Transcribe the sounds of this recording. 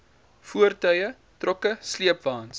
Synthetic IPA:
fuərtœɥə | trɔkəsliəpvɑːns

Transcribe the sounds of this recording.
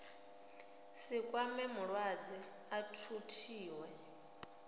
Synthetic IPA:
sikʼwamɛmuɺwad͡zi | atʰutʰiːwɛ

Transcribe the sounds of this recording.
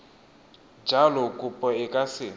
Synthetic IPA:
d͡ʒʱalɔkʼupʼɔɪkʼasɪ

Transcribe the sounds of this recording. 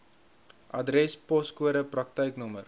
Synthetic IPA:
ʔɐdɾɛspɔskuəɾəprɐk̚təjknɔmər

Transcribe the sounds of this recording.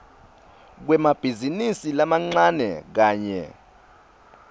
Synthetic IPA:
k̬wɛmab̥ʱizinisilamaŋ͡ǀanɛ̰k̬aːɲɛ̰

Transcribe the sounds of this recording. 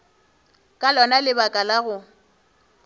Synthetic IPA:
kʼalɔnalɪbakʼalaɣʊ

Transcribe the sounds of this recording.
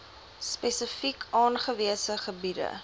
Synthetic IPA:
spɛsəfikʰɑːnχəviəsəχəbidə̰

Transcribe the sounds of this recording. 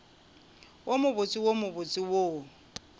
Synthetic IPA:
womʊbʊt͡sʼɪwomʊbʊt͡sʼɪwo

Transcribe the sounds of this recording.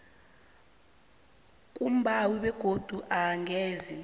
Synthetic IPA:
kʼum̩bʱawiɓɛɡ̥ʱod̥ʱuʔaːŋʱɛːzi

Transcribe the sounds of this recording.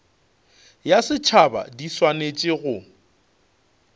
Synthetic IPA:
jasɪt͡ʃʰaba̰diswanet͡ʃʼɪɣʊ

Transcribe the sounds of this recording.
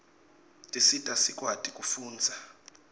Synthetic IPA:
tʼisitʼasikʼwatʼikʼufuːnd͡zʱa

